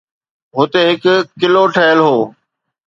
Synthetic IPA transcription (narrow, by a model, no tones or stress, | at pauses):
ɦʊt̪eːɦɪkkːɪloʈʰəɦəlɦoː